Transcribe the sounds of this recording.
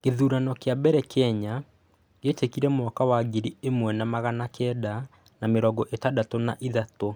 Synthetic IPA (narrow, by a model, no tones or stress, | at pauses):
keðuːɾanɔkeabɛɾɛkʰɛɲa | ɣetekiɾɛmwɔkawaɡiɾiemwɛnamaɣanakʰɛda | nameɾɔɡɔʔetadatonaʔiðato